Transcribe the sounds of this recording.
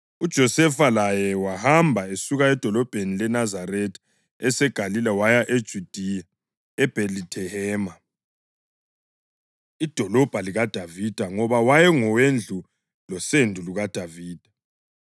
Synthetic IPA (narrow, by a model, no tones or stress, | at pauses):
ud̥ʒ̥ʱɔsɛfalajɛwahambʱaesuɣaɛd̥ʱɔlɔb̥ʱenilɛnazaɾɛtʰʼ | ɛsɛɡ̥ʱalilɛwajaʔed̥ʒ̥ʱud̥ʱia | ɛb̥ʱelitʰɛhɛːma | id̥ʱɔlɔb̥ʱaliɣad̥ʱavid̥ʱaŋɔβawajɛŋɔwend͡ɮʱu | lɔsendʱuluɣad̥ʱaviːd̥ʱa